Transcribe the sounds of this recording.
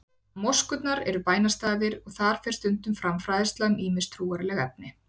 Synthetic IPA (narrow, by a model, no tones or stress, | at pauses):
mɔ̥skʏt̪naɾɛ̰ɾʏpaːjnast̪aːðɪɾɔɣθaɾ̥fɪr̥t̪ʏnt̪ʏmfɾamfɾajðɪst̪laʏmiːmɪst̪ʰɾuːaɾɪlɛɣɛp̚nɪ